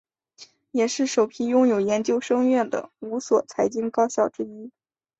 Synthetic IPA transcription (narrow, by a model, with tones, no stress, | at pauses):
jɛ˨˩ʂɻ̩˥˩ʂo˨˩ʊpʰi˧˥jʊ˥˩ŋjo˨˩ʊjɛ˧˥nt͡ɕjo˥ʊʂɤ˥ŋɥɛ˥˩nd̪ə̰˩u˧˥swɔ˨˩t͡sʰa˧˥ɪt͡ɕi˥ŋkɑ˥ʊɕjɑ˥˩ʊʈ͡ʂɻ̩˥i˥